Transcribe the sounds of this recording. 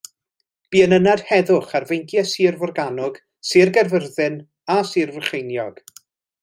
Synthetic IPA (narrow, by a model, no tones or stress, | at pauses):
b̥iːənənad̥hɛðʊχarvejntʰjɛsiːrvɔrɡanɔɡ̥ | sɨːrɡɛrvərðɨn | asiːrvərχejnjɔ̰ɡ̥